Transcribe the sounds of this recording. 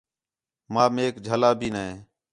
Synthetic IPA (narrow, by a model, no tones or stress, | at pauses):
maːmeːkd͡ʒʱəlaːbʱiːnəɦẽː